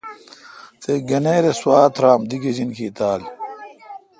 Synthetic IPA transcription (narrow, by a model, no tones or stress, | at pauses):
seɡɐneːɾeswaːt̪ʰɾaːmd̪iɡed͡ʑinkiːt̪aːl